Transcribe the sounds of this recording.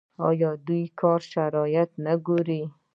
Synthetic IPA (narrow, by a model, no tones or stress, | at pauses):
ɑ̰jɑd̪ujkʰɑɾʃaɾɑjat̪naɡuɾi